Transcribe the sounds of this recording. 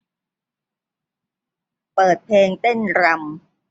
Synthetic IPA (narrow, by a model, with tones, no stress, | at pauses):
pɤː˨˩t̪̚pʰeː˧ŋt̪e˥˩nɾa˧m